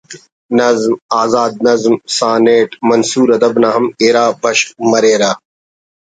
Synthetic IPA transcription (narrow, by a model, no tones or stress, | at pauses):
nɐzmaːzaːd̪̚nɐzmsãːneːʈmɐnsuːɾɐd̪ɐbnaːɦɐmeːɾaːbɐɕmɐɾeːɾaː